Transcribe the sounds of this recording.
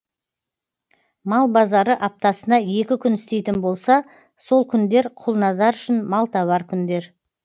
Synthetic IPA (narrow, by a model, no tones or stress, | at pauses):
mɑlˠbɑzɑɾəʔɑp̚t̪ɑsənɑje̞kʲɪkʲʰʏnɪst̪e̞jt̪ɪnbo̞lˠsɑ | so̞lˠkʲʰʏnd̪e̞ɾqʰʊlˠnɑzɑɾʏʃɪnmɑlˠt̪ɑβɑɾkʲʰʏnd̪e̞ɾ